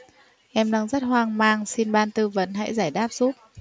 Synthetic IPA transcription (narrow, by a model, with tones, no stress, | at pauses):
ʔɛ˧mla˧˩ŋzə˦˥t̚ɦwaː˧ŋmaː˧ŋsi˧nɓaː˧nt̪ɨ˧və̰˨˦nɦa̰˧˥jzaː˧˩jɗaː˦˥p̚z̥u˦˥t̚